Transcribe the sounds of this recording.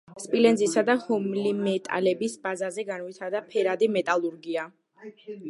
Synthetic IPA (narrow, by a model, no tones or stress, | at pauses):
spʼilɛnzisad̪ahɔmlimɛt̪ʼa̰lɛbisbazazɛɡanwit̪ʰaɾd̪apʰɛɾad̪imɛt̪ʼalˠuɾɡia